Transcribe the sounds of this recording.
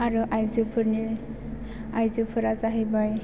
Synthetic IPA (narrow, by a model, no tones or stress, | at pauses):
aɾɯʔajzɯpʰɯɾni | ajzɯpʰɯɾazaɦajbaj